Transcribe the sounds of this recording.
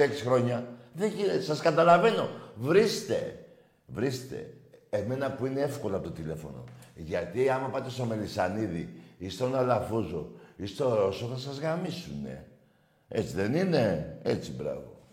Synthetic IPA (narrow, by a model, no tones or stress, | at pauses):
eksi̥xɾo̞ɲɐðeçisɐskɐt̪ɐlɐve̞no̞vɾist̪e̞̰ | vɾist̪e̞̰ːme̞nɐpuineefko̞loɐpot̪ot̪ile̞fo̞̰no̞̰ʝɐt̪iɐmɐpɐt̪e̞st̪o̞me̞lisɐniðiist̪onɐlɐfuzoist̪o̞ɾo̞soθɐsɐzɣamisune̞̰ | e̞̰t͡siðenine̞et͡sibɾɐ̰vo̰